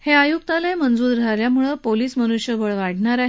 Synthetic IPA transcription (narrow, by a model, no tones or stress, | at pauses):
heajuk̚t̪alemənd͡zuːɾɾʱaljamuɭəpoliːsmənuɕjəʋəɭʋaɽɳaɾaɦe